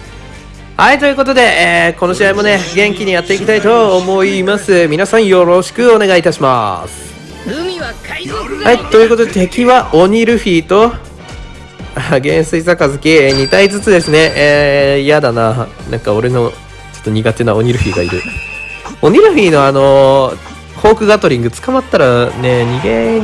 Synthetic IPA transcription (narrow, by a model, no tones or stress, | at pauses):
hait̪o̞jɯ̟ko̞t̪o̞d̪e̞ʔːko̞no̞ɕiaimo̞ne̞ɡẽ̞ŋkʲiɲ̟ijat̪ːe̞ikʲit̪ait̪o̞ːmo̞imasɨmʲinasãɰ̃jo̞ɾo̞ɕi̥kɯ̟o̞ne̞ɡait̪aɕima̰sɨ̥ | hait̪o̞jɯ̟ko̞t̪o̞d̪et̪e̞kʲiβaʔoɲ̟iɾɯ̟ɸʲiːt̪o̞ | aɡẽ̞ɰ̃sɨisakazɨkʲeɲ̟it̪aizɨt͡sɨd̪e̞sɨne̞ | jad̪ananʔã̰ŋkao̞ɾe̞no̞ | t͡ɕo̞̥t̪ːo̞ɲ̟iɡat̪e̞nao̞ɲ̟iɾɯ̟ɸʲiːɡa̰ḭɾɯ̟ | o̞ɲ̟iɾɯ̟ɸʲiːno̞ano̞ | ho̞ːkɯ̟ɡat̪o̞ɾʲĩŋɡɯ̟t͡sɨ̥kamat̪ːaɾane̞ɲ̟iɡẽ